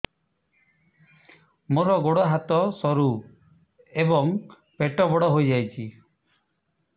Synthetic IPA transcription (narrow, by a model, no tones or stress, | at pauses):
moɾɔɡoɽɔɦat̪ɔsɔɾu | ebɔŋ | peʈɔbɔɽɔɦojd͡ʒajt͡ʃʰi